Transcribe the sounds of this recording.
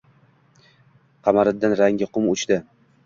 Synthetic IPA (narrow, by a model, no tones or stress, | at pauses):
qʰɑmaɾɪd̪anɾaŋɡʲɪqʰʊmʊt͡ʃd̪ɪ